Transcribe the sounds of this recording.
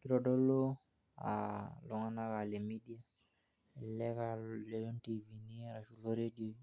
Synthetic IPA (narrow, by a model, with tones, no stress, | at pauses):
ki˦ɾɔ˨dɔ˦lo˦ | a̰˨lɔ˨ŋa˦na˦ka˨le˨mi˦di˦a˦ | ɛ˨lːɛ˦ka˨lɛ˨lɔ˦nti˨vi˨ni˦ɾa˨ʃu˨lo˦ɾe˦di˦o˦